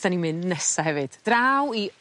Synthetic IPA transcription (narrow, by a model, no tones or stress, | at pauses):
d̥animɨndnɛsaɦɛvɨd̥d̥rawi